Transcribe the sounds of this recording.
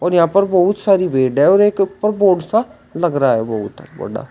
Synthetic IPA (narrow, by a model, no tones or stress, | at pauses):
oːɾɪjãːpəɾbɔʊt̪saːɾiːbeːɖɛːɔːɾekʊpːəɾboːɖsaː | ləɡɾaːɦɛ̰ːbəut̪ːə̰kbə̰ɖa̰ː